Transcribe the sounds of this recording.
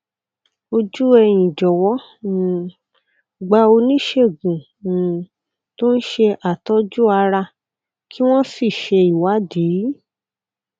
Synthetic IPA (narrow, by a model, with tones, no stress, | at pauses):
o˧d͡ʒu˦ɛ˧j̃ĩ˨d͡ʒɔ˨wɔ˨˦˨ | ɡ͡ba˧o˧nĩ˦ʃe˦˨ɡũ˨ | to˦n̩˦ʃe˧ʔa˨tɔ˦d͡ʒu˦a˧ɾa˧ | kʰi˦w̃ɔ̃˦si˦˨ʃe˧i˨wa˨˦di˨˦